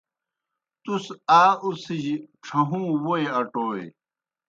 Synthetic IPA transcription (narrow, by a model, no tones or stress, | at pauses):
t̪usaːusid͡ʑiʈ͡ʂʰɐɦũːwoeɐʈoːḛ